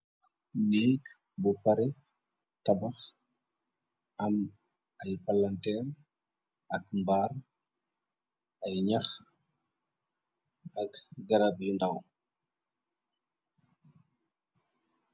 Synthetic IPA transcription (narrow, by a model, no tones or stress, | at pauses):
niːk | bupaɾɛ | tɐbɐx | ʔɐm | ɐjpalantɛr | ʔɐkmbaːr | ɐjɲax | ɐkɡɐɾabjundaw